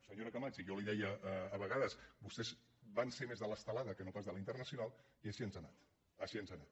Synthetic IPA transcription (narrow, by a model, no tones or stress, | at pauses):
səɲoɾəkamat͡ʃijoliðɛjəʔːβəɣaðəszbust̪ɛz | βanseɾmezðələst̪əlaðəkənopazðəlint̪ərnəsiunalˠ | iəʃiənzana̰t̪ | əʃiənzanat̪